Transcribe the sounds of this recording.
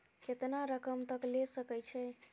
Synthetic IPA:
ket̪naɾəkəmt̪əklesəkɛt͡ʃʰɛ

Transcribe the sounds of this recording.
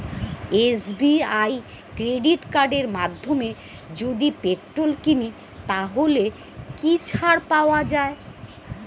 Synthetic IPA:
esbiaj | kɾeɖiʈkaɾɖeɾmad̪ʱːome | d͡ʑod̪ipeʈɾolkini | t̪aɦole | kit͡ɕʰaɾpaoad͡ʑae

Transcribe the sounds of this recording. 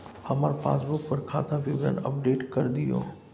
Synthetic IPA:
hɐmaːɾpa̰ːsbʊk̚pɐɾkʰaːt̪ʰapiʋɾə̰nɐ̰p̚ɖeːʈkɐɾd̪iɦõ̰ː

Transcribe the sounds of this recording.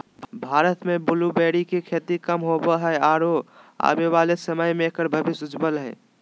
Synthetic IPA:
bʱaːɾət̪mebʊlubeːɽikekʰeːt̪ikəmɦobəɦəaɾoa̰beʋaːlesəməjmekəɾbʱəbɪsʊd͡ʒbəlɦɛ̰ː

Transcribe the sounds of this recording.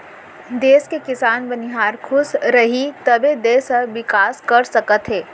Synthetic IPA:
d̪eːskekɪsaːnbɐniɦaːɾkʰʊsɾɐɦit̪ɐbed̪eːsəʋɪkaːskɐɾsɐkət̪ɦɛː

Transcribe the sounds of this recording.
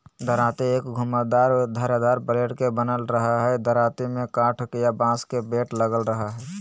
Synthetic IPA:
d̪ʱəɾaːt̪ieːkɡʱʊməd̪aːɾd̪ʱəɾad̪aːɾpəɾeːɽkebənəlɾəɦaɦɛd̪ʱəɾaːt̪imẽkãːʈʰkjabãːskebeːʈləɡəlɾəɦaɦɛː

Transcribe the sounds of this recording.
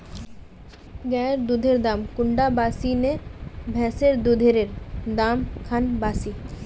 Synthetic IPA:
ɡɛɾd̪ud̪ʱeɾd̪amkuɳɖabasinebʱɛseɾd̪ud̪ʱeɾeɾd̪amkʰanbaːsi

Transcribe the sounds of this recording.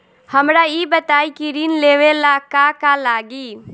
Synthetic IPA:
həmɾajibət̪aːikiɾiːnleːʋelakakalaːɡiː

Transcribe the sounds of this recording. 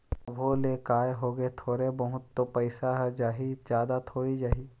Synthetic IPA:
ɐbʱolekaːjɦoːɡəet̪ʰoːɾebɐɦʊt̪ːopəɪsaɦɛd͡ʒaːɦid͡ʒjaːd̪at̪ʰoːid͡ʒaːɦiː

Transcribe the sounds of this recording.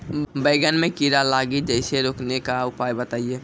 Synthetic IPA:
bəɪɡənmẽkiɾalaːɡid͡ʒəɪseɾoːknekaʊpaːjbət̪aːijeː

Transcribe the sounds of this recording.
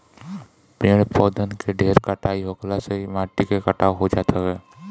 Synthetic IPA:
pɾeːɽ̃pɔːd̪ənkeɖʱeːɾkaʈʰaːiɦoːklaseimaːʈːikekəʈʰaɦod͡ʒaːt̪ʰaɦɛː

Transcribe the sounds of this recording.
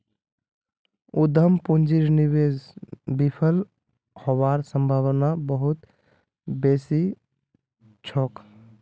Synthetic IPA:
ud̪ʱəmpund͡ʒiɾniweːzbipʰəl | hɔwaːɾsəmbʱaʋnabəɦut̪ | beːsi | t͡ʃʰɔːk

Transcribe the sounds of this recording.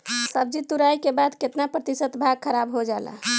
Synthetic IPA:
səb̚d͡ʒit̪uɾajkebad̪ket̪napɾət̪isət̪bʱaɡ̚kʰəɾabɦod͡ʒala̰

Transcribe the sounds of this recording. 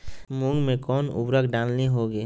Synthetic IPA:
mʊ̃ŋɡmẽkɔːnʊ̰bɾəkɖaːnniɦoɡeː

